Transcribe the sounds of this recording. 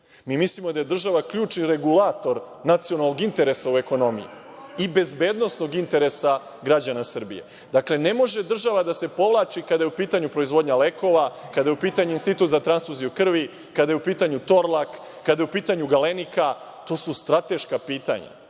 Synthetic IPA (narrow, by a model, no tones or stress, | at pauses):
miːmislimo̞d̪aje̞d̪r̩ʒaʋakʎuːt͡ʃniɾe̞ɡulat̪o̞ɾ | nat̪sijonalˠno̞ɡint̪e̞ɾe̞saue̞ko̞no̞mḭjḭ | ibe̞zbe̞ːd̪no̞sno̞ɡint̪e̞ɾe̞sa | ɡɾad͡ʑanasr̩bḭje̞̰ | d̪akle̞ne̞mo̞ʒe̞d̪r̩ʒaʋad̪ase̞po̞ʋlˠaːt͡ʃikad̪ajupiːt̪aɲupɾo̞izʋo̞d̪ɲaleko̞ʋakad̪ajeupiːt̪aɲuinst̪it̪uːt̪zat̪ɾansfuzijukr̩ʋi | kad̪ajeupiːt̪aɲut̪o̞ɾlˠakː | ad̪ajeupiːt̪aɲuɡalenika | t̪o̞ːsust̪ɾat̪e̞ʃkapiːt̪a̰ɲa̰